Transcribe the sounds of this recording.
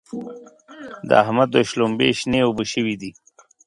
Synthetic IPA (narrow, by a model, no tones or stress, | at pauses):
d̪ə̰a̰hmad̪oʃlombḛʃneobəʃəwid̪i